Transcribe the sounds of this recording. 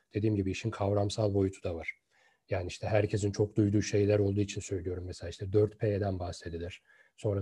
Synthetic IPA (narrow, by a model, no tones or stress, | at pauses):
d̪̥e̞d̪iːmɟibiːʃinkʰavɾamsalˠbo̞jut̪ʰud̪avaɾ̥ | jaːniiʃt̪ʰɛɦæɾcʰe̞sint͡ʃʰo̞k̚d̪ujd̪uːʃe̞jlʲæɾo̞lˠd̪uːit͡ʃʰinsø̞jlʲijo̞ɾumːeselʲaːiʃt̪ʰɛd̪øɾt̪pʰejed̪ænbahse̞d̪ilʲiɾ̥ | so̞nɾa